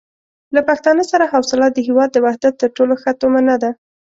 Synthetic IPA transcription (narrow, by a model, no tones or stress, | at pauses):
lapaxt̪ɑnəsaɾaɦawsɪlɑt̪̚d̪əɦewɑd̪̚ːəwahd̪at̪ːəɾʈoloxət̪omanad̪a